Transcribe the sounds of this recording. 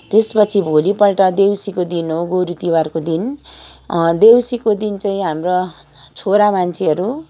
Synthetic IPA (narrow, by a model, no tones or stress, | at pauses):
t̪espʌt͡sʰibʱolipʌlʈʌd̪ewsikod̪inɦoɡoɾut̪iwarkod̪in | d̪ewsikod̪int͡saĩɦamro | t͡sʰoɾamant͡sʰeɦʌɾu